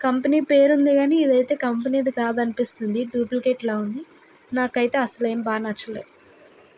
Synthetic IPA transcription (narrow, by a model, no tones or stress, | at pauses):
kɐmpɐniːpeːɾund̪iɡaːniːd̪ɐjt̪e̞ːkɐmpɐniːd̪ikaːd̪ɐnipist̪und̪iɖuːplkeːʈlaːund̪i | naːkɐjt̪e̞ːɐsɐleːmbaːnat͡ʃːɐlːeː